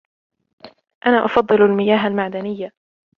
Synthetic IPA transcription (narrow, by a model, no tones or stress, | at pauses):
ʔanaːʔɑfɑd̪ˤːɨlalmɪjaːɦalmaʕd̪anɪjːa